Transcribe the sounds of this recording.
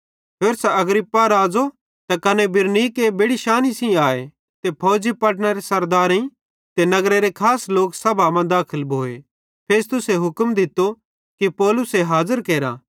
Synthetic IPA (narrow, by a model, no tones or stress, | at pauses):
pʰeːɾsɛɐɡɾɪpːaɾaːd͡zo | t̪ɐkɐnɛbɪɾnikebeɽiʃaːnisĩaːe | t̪epʰoːd͡ʒipɐʈ̬nəɾesɐɾd̪aːɾĩ | t̪enɐɡɾeɾekʰaːsloːksɐbʱamãd̪aːkʰəlbʱoːe | pʰeːst̪ʊseɦʊkmd̪ɪt̪o | kipɔːlʊseɦaːzəɾkeːɾa̰ː